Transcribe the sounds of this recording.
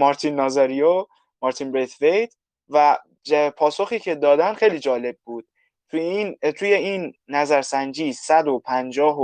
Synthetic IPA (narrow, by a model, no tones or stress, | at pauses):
mɒɾt̪ʰinːɒːzɑɾijo | mɒːɾt̪ʰiːnbɾet̪vejd̪ | væ | pʰɒːsoxiːcʰe̞d̪ɒːd̪ænd̪xejliːd͡ʒɒːle̞b̚ːuːd̪̥̚ | t̪ʰuint̪ʰuːje̞iːnːæzæɾsænd͡ʒiːsæd̪opʰænd͡ʒɒːɦo